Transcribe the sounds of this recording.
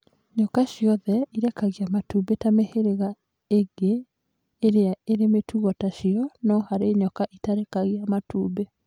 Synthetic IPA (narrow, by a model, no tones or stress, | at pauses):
ɲɔkaɕjɔðɛiɾɛkaɣeamatubetameheɾeɣa | eɡeː | ɾeaeɾemetʰuɣɔtaʃiɔnɔhaɾeɲɔkaʔitaɾɛkaɣeamatuːbe